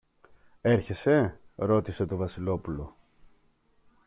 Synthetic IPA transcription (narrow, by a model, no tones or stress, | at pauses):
e̞ɾçe̞se̞ɾo̞t̪ise̞t̪o̞vɐsilo̞pulo̞